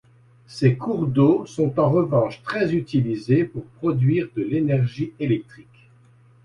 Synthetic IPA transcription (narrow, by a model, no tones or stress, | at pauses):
sekuʁd̪osɔ̃t̪ɑ̃ʁəvɑ̃ʃt̪χɛzyt̪ilizepuʁpχɔd̪ɥiʁd̪əlenɛʁʒielɛk̚t̪χik